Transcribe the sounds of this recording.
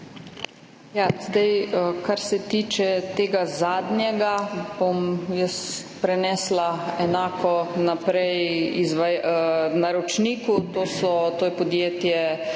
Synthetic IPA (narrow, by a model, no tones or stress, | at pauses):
jazd̪ajəkaɾsɛt̪iːt͡ʃɛt̪eːɡazaːd̪njɛɡab̥omjəs | pɾɛnɛːslaɛnaːkɔnapɾɛjizʋanaɾɔt͡ʃniːkut̪oːsɔt̪oːjɛpɔd̪jeːt̪jɛ